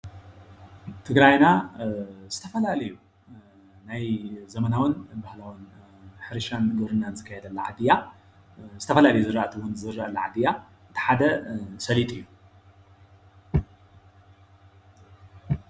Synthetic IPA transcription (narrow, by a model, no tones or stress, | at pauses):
t̪ʰɨɡɾajna | z̥ɨt̪ʰɐfɐlalɐju | najzɐmɐnawɐnbahlawun | ħɨɾɨʃanɡɨβɾɨnːanzɨkʰːɐjɛd̪ɐlːɐʕad̪ɨja | zɨt̪ʰɐfɐlalɐjuzɨɾaʔat̪ʰɨwunzɨɾːaʔɐlːɐʕa̰d̪ɨja | ʔɨt̪ʰi̥ħad̪ɐsɐlit̪ʼɨjːu